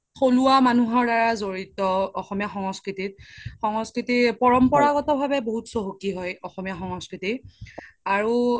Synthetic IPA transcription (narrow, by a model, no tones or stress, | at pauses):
xoluwamanuɦɔɹdaɹazoɹitɔːxɔmijaxɔŋɔskɹitit̚xɔŋɔskɹitipɔɹɔmpɔɹaɡɔtɔbʱabɛboɦutsoɦokiɦɔjɔxɔmijaxɔŋɔskɹiti | aɹu